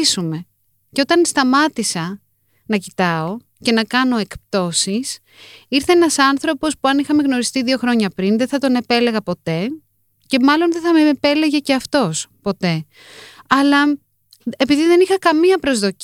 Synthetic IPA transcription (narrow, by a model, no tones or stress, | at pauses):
sume̞ | ceo̞t̪ɐnst̪ɐmɐt̪isɐ | nɐcit̪ɐo̞ | ce̞nɐkɐno̞e̞kpt̪o̞sis | iɾθe̞enɐsɐnθɾo̞po̞spuɐnixɐmeɣno̞ɾist̪iðio̞xɾo̞ɲɐpɾinðeθɐt̪o̞ne̞pe̞le̞ɣɐpo̞t̪e̞ | ce̞mɐlo̞nðeθɐmepe̞leʝe̞ceɐft̪o̞spo̞t̪e̞ | ɐlɐ | epiðiðe̞nixɐkɐmiɐpɾo̞zðo̞c